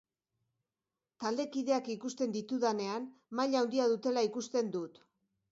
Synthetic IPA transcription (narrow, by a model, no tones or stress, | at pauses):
t̪ald̪e̞kiðe̞akikust̪e̞nd̪it̪uðane̞anmaʎawnd̪iaðut̪e̞laikust̪e̞nd̪ut̪